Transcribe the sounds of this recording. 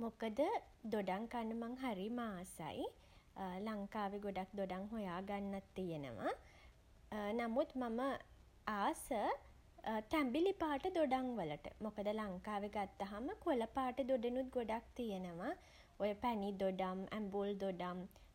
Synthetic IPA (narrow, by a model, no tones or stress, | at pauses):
mokəd̪ə | d̪oɖaŋkanːəmaŋɦaɾimaːsa̰j | laŋkaːʋeɡoɖak̚d̪oɖaŋɦojaːɡanːat̪ːijenə̰ʋa | namut̪mamə | aːsə | t̪æmbilipaːʈəd̪oɖaŋʋələʈə̰mokəd̪əlaŋkaːʋeɡat̪ːaɦaməkuləpaːʈəd̪oɖenut̪̚ɡoɖak̚t̪ijenəʋa | ojəpænid̪oɖamæ̰mbuld̪oɖam